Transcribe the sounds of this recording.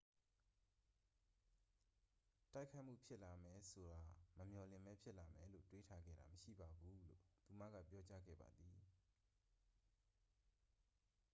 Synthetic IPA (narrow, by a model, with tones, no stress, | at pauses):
ta˦ɪkʰːa˦ɪʔm̥ṵ˦˨pʰjɪ˦ʔla˨mɛ˨so˨ɾa˨məmjɔ˨lɪ̃˨mbɛ˦pʰjɪ˦ʔla˨mɛ˨˦lo̰˦˨twe˦tʰa˦ɡɛ̰˦˨ɾa̰˨məʃḭ˦˨ba˨ɡu˨˦lo̰˦˨t̪u˨ma̰˦˨ɡa̰˦˨pjɔ˦t͡ɕa˦ɡɛ̰˦˨ba̰˨d̪i˨